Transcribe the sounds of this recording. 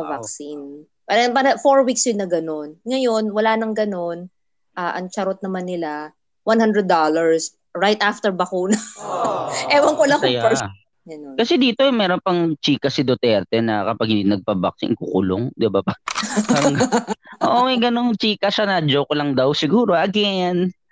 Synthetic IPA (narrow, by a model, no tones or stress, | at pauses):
pɐvaksin | pɐnpɐɾɐfoɹwiksjonːɐɡɐno̞nŋɐjonwɐlaːnɐŋɡɐno̞n | ʔaːʔɐŋt͡ʃɐɾot̪̚nɐmanːɪla | wɐnhand̪ɾɛd̪ːalɐɹs | ɹajt̪aft̪ɛɹbɐkuːnɐ | ʔɛːwɐŋkolɐŋkɐjao | ɡɐnokɐsɛd̪iːt̪omɛːɾonpɐŋt͡ʃiːkɐsɪd̪ot̪ɛɾt̪ɛnɐkɐpaɡhɪnd̪inɐɡ̚pɐba̰k̚sɪ̰ʔŋkukʊlo̰ŋd̪ɪbappaːɾɐŋɡʔo̰ʔoɐɡɐnoŋt͡ʃiːkɐsɐnaːd͡ʒokolɐŋd̪awsɪɡuːɾoʔaɡɪɐjan